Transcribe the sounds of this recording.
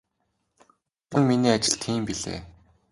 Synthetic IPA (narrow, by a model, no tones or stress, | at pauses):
tə̆ŋminiːat͡ɕɪ̆ɬt̪ʰiːmpiɮḛː